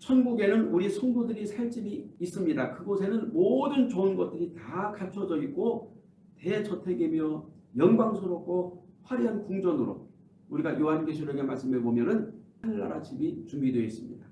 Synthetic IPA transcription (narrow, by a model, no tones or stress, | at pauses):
t͡ɕʰʌnɡuɡe̞nɯnuɾisʰʌŋɡudɯɾisʰaɭt͡ɕ͈imiːs͈ɯmɲidakɯɡosʰe̞nɯnmodɯnt͡ɕoɯnɡʌt̚t͈ɯɾitakʰat͡ɕʰʌd͡ʑʌit̚k͈o | te̞t͡ɕʌtʰe̞ɡemjʌjʌŋɡwaŋsʰoɾop̚k͈oɸwaɾiɦankuŋd͡ʑʌnɯɾo̰ | uɾiɡajoɦanɡeɕʰuɾjʌɡe̞maɭs͈ɯmeɭbomjʌnɯnhanːa̰ɾat͡ɕibit͡ɕumbidwe̞is͈ɯmɲida